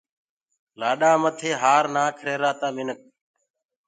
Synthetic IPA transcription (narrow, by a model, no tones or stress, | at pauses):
laːɗaːmət̪ʰeːɦaːɾnãːkʰɾeːɾaːt̪ãːmɪnək̚